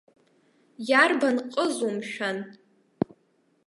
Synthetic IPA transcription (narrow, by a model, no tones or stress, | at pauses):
jarbanqʼəzumʃᶣan